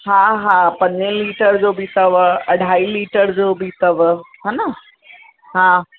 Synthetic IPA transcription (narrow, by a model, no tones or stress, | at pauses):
ɦãɦãpɐ̃ɲəliːʈəɾd͡ʑoːbʱit̪ɐʋɐɽ̤ʱaːiːliːʈəɾd͡ʑoːbʱit̪ɐʋɦaːna | ɦã